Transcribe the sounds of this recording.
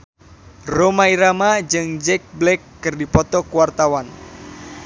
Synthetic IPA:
romaiɾamad͡ʒɨŋd͡ʒɛk̚blɛkːɨrdipɔt̪ɔkuwart̪awan

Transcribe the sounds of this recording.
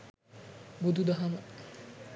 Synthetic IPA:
bud̪ud̪ɐɦɐmɐ

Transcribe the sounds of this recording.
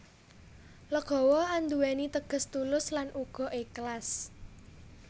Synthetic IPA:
ləɡ̥ɔ̤wɔand̪uwɛnit̪əɡ̥ə̤st̪ulʊslanʔuɡ̥ɔ̤ʔeklas

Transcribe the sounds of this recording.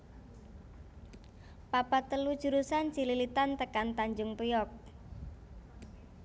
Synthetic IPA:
papat̪əlud̥ʒ̥ṳɾusant͡ʃililit̪ant̪əkant̪aɲd͡ʒʊŋpujɔk̚

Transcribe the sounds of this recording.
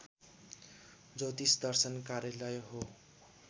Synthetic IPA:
d͡zʌwt̪isd̪ʌrsʌnkaɾjʌlʌjɦo

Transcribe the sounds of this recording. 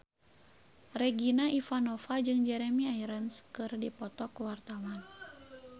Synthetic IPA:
rɛɡinaʔifanɔfad͡ʒɨŋd͡ʒɛɾɛmiajɾənskɨrdipɔt̪ɔkuwart̪awan

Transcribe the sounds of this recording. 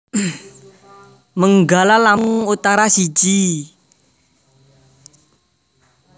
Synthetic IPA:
məŋɡalalamuut̪aɾasi̥d͡ʒ̥i

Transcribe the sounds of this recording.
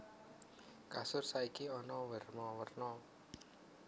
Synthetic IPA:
kasʊrsaikiɔnɔwərmɔwərnɔ

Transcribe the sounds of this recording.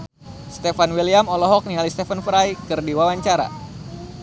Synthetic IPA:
st̪efanwiliamɔlɔɦɔk̚nialist̪efənfɾaikɨrdiwawaɲt͡ʃaɾa̰

